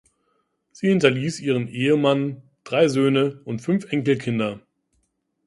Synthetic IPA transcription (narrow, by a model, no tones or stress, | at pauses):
z̥iːhɪntɐliːsʔiːʁənʔeːəman | d̥ʁaɪzøːnəʊntfʏnfʔɛŋkl̩kʰɪndɐ